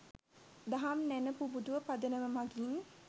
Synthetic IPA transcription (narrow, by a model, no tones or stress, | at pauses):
d̪aɦamnænəpubud̪uʋəpad̪ənəməmaɡin